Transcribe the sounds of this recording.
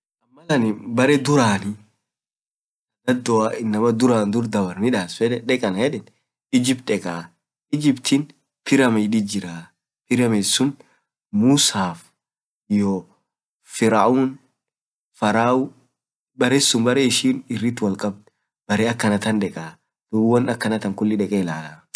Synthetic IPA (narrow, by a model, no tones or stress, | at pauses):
ʔɐmːɐlɐnɪbɐɾɛd̪ʊɾaːnɪ | ɐd̪ɐd̪ːɔaɪnːɐmɐd̪ʊɾaːnd̪ʊɾd̪ɐbɐɾnɪᶑaːsfɛᶑɛᶑɛkʼɐnhɛᶑɛn | ɪd͡ʒɪbt̪ʼɛkʼaː | ɪd͡ʒɪbt̪ʰɪn | pɪɾɐmɐɪᶑɪd͡ʒɪɾaː | pɪɾɐmesʊn | muːsaːf | jɔ | fɪɾaʔuːn | fɐɾaːʊ | bɐɾeːsːʊnbɐɾeːɪʃiːnɪrːɪt̪ːwɐlkʼɐb̚t̪ | b̥ɐɾeːɐkːɐnɐt̪ɐnᶑɛkʼaː | d̪̥ʊbwɐnɐkːɐnɐt̪ɐŋkʊlːɪᶑɛkʼɛlaːlɐ